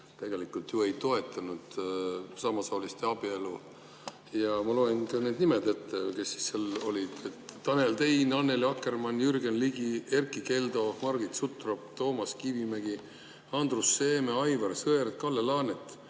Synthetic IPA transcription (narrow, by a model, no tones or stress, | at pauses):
t̪eɡ̥e̞likult̪jue̞jt̪o̞e̞t̪ːˑɑnud̪̥sɑmɑsɑːlist̪eɑb̥ielu | jɑmɑloenkɑned̪nimed̪e̞t̪ːeke̞sːi̥sːelo̞lid̪̥et̪ːɑne̞lt̪e̞jnɑnːe̞liɑkːe̞rmɑnjyrɡenliɡie̞rkˑike̞ld̪o̞mɑrɡ̥it̪sut̪ˑropt̪o̞ːmɑskivimeɡi | ɑnd̪rusːe̞ːmeɑjvɑrsɤeɾt̪̚kɑlːelɑːnet̪ːˑ